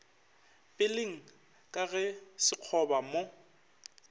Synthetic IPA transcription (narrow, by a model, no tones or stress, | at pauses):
pʼɪlɪŋ̩ | kʼaɣɛsɪq͡χʰɔbamo